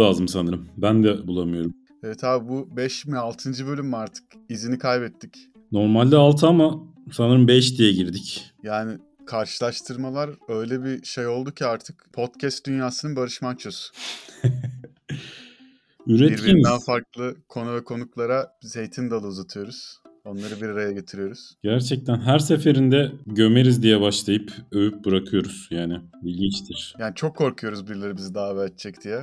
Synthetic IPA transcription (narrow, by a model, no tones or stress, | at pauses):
aːzɯmsanɯɾɯmbænd̪ɛbulˠamɯjo̞ɾum | ɛvɛt̪ʰabibubɛʃmɛalˠt̪ʰɯnd͡ʒɯbø̞lʲymːaɾt̪ʰɯ̥k | izinikʰajbɛt̪ːic | no̞ɾmalʲd̪aalˠt̪ʰɯamasanɯɾɯmbɛʃd̪ijɛɟiɾd̪icjaːnɪ | kʰaɾʃɯlˠaʃt̪ʰɯɾmalˠaɾø̞jlʲɛbiʃe̞jo̞lˠd̪ucʰiaɾt̪ʰɯ̥kpʰo̞t̪cʰɛst̪̚d̪ynjaːsɯnɯnbaɾɯʃmant͡ʃʰosʊ̥ | yɾɛtiɾbiimid̪anfaɾklˠɯkʰo̞nuvɛkʰo̞nuklˠaɾab̥izhe̞jt̪ʰind̪alˠɯuzat̪ʰɯjo̞ɾuz̥ | o̞nlˠaɾɯbiɾaɾajaɟe̞t̪ʰiɾijo̞ɾuz̥ɟ̥æɾt͡ʃʰɛc̚t̪ʰænɦæɾsefe̞ɾind̪ɛɟø̞meɾizd̪ijɛbaʃlˠajɯpøjyp̚bɯɾakʰɯjo̞ɾuz̥jaːnɪbilʲɟint͡ʃt̪ʰiɾ̥jaːnit͡ʃʰo̞kʰːo̞ɾkʰujo̞ɾuzbiɾlʲeɾibizid̪aːvɛɛt̪t͡ʃʰːɛcd̪ijɛ